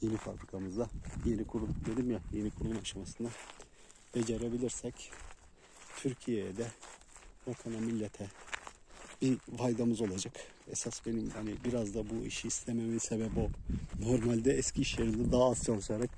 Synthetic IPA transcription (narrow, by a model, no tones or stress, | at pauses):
je̞nifa̰bɾikʰamɯzd̪aje̞nikʰuɾulˠumd̪e̞d̪imjaje̞nikʰuɾulˠumaʃamasɯna | b̥ed͡ʒaɾebilʲiɾsɛc | t̪ʰyɾcʰijejɛd̪ɛ | bakʰanamilʲːet̪ʰɛ | bivajd̪amɯzo̞lˠad͡ʒakɛsasbe̞nimhanibiɾazd̪abuḭʃiːst̪ʰeme̞misebɛbo̞no̞ɾmalʲd̪ɛɛscʰiːʃjeɾinʲd̪ɛd̪aːsjonsajaɾak